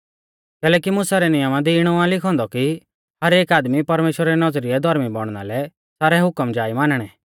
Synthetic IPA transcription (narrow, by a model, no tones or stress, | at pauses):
kɛːlɛːkimʊsaɾɛnɪjəmãd̪iːɽ̃ɔãlɪkʰɔ̃ːnd̪ɔki | hɐɾeːkaːd̪mipɐɾmeːʃwɾaɾɛnɐzɾiɛd̪ʱɐɾmibɔɽ̃na̰lɛ | saːɾɛɦʊkəmd͡ʒaːimaːnɽ̃ɛː